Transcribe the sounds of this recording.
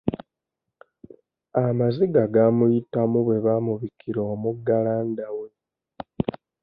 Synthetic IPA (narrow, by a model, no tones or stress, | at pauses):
amaziɡaɡamujitamuβwe̞βamuβikʰiɾoːmuɡalaːndawe̞